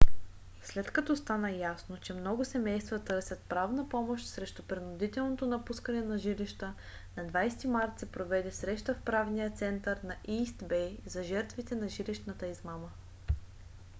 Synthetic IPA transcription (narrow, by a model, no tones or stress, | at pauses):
slɛt̪kɐt̪ɔst̪anəjasnot͡ʃɛmnɔɡʊsɛmɛjst̪vət̪ɤɾsʲɐt̪̚pɾavnəpɔmoʃt̪ʲsɾɛʃt̪opɾɛnʊd̪it̪ɛlˠnot̪onɐpuskənɛnɐʒiliʃt̪ə | nɐd̪vajst̪imaɾt̪sɛpɾovɛd̪ɛsɾɛʃt̪əfpɾavnijət̪sɛnt̪əɾnɐʔist̪bɛzɐʒɛɾt̪vit̪ɛnɐʒiliʃt̪nət̪əizmamə